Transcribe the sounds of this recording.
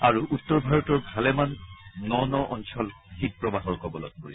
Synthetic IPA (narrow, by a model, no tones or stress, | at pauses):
aɹuʔutːɔɹbʱaɹɔtɔɹbʱalɛmannɔnɔʔɔnsɔl | xik̚pɹɔbaxɔɹkɔbɔlɔ̰ɡ̚ko̰ɹḭ